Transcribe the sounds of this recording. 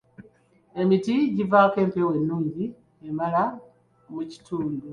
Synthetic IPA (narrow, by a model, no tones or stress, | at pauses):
e̞mitiɟivaːke̞ːmpewe̞nːuːɲɟi | emala | muci̥tuːndu